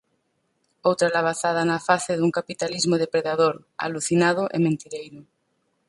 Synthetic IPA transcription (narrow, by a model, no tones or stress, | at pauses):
owt̪ɾalaβ̞aθað̞anafaθeðuŋkapit̪alizmoðepɾeðaðoɾ | a̰luθinað̞ʊʔemẽnt̪iɾejɾʊ